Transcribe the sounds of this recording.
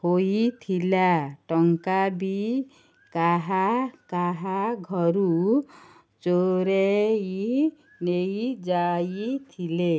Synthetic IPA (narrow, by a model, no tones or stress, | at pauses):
hojit̪ʰilaʈɔŋkabi | kaɦakaɦaɡʱɔɾu | t͡ʃoɾei | nejd͡ʒait̪ʰile